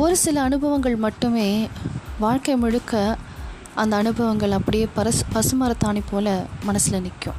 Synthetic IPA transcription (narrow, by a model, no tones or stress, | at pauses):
ɔɾɯsɪlɐːnɯbʱɐʋɐŋɡɐɭmɐʈːɯmeːʋaːɻkɐɪmɪɽɯkːɐ | ʔɐnd̪ɐːnɯbʱɐʋɐŋɡɐɭɐpːɐɽɪjeːpɐɐpɐsɯmɐɾɐt̪ːaːnipːoːlɐmɐnɐsɪlɐnɪkːʊ̰̃